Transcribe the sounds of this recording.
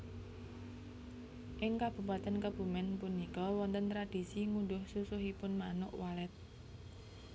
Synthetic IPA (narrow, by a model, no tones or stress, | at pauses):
ʔɪŋkab̥ṳpat̪ɛnkəb̥ṳmɛnpunikɔwɔnt̪ənt̪ɾad̥isiŋunɖʊhsusʊɦipʊnmanʊʔwalɛt̪̚